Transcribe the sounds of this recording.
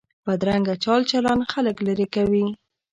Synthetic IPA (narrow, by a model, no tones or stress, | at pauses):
pəd̪ɾaŋɡat͡ʃɑlt͡ʃalanxaləklaɾekawi